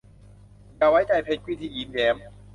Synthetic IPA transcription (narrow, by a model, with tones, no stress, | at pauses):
ka˧˩wa˦˥jt͡ɕa˧˩jpʰe˧˩kwiː˦˥t̪ʰiː˧˩jiː˨˦nɡɛː˨˦m